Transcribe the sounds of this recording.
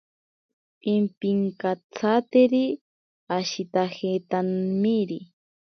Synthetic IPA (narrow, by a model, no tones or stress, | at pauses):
pimpiŋkat͡sʰat̪eɾi | aʃit̪axet̪anmiɾi